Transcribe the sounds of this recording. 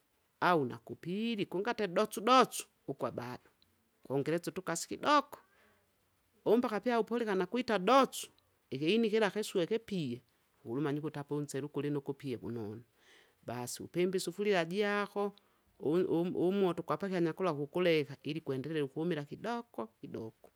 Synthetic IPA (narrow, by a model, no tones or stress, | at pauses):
auna̰kupiɾikuŋɡatɛdɔt͡sudɔt͡su̥ | ukwabadɔ̥ | kwɔŋɡɛɾɛt͡sɔtukasi̥kidɔkɔ̥ | ɔmbakapiaupɔlikanakuitadɔt͡ʃu̥ | ɛkɛinikɛlakɛsuɛkɛpiɛ | ulumaɲikutapaun̩sɛɾukulinɔkupiɛbṵnɔna | basiṵpɛmbisufuliɾad͡ʒiakɔ | umwɔtɔkwapakiaɲakɔlakukulɛkailikuɛndɛɛɾɛukuɔmilakidɔkɔkidɔkɔ̥